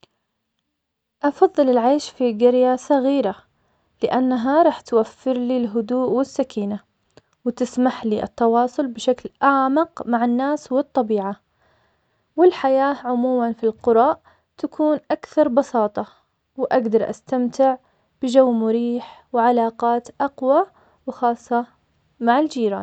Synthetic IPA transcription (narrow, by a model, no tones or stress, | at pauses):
ʔɑfɑðˤːɨlɪlʕaːʃfiɡɪɾjasˤɑɣiːɾa | lɪʔanːaɦaɾˤɑːħt̪wafːɪɾliːlɦʊd̪uːʔwɪsːakiːna | wɪt̪ɪsmaħliːʔɨ̰t̪ːɑwɑːsˤʊlbɪʃaklʔaʕmɪqmaʕanːaːswɨt̪ˤːɑbiːʕa | wɪlħajaːʕʊmuːmanfilqʊɾˤɑːʔ | t̪akʰuːnʔakθɑɾˤbɑsɑːt̪ˤɑ | wɪʔaɡd̪ɑɾˤʔa̰st̪amt̪ɪʕ | b̥ɪd͡ʒawːmʊɾiːħwʕalɑːqɑːt̪ʔɑqwa | wɪxɑːsˤːɑ | maʕɪld͡ʒiːɾa̰ːn